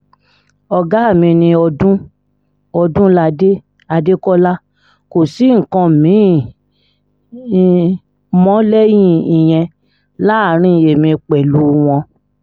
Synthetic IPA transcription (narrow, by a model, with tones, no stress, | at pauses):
ɔ˧ɡa˦a˦˨mĩ˧nĩ˧ɔ˧dũ˦ | ɔ˧dũ˦la˦˧de˦ | a˧de˦kɔ˦la˦ | ko˨si˨˦ŋ̩˨kã˧mĩ˨˦ | mɔ̃˦lɛ˦jĩ˦ĩ˨j̃ɛ̃˧ | la˦˨˦ɾ̃ĩ˦˨e˨mĩ˧k͡pɛ˨lu˨˦w̃ɔ̃˧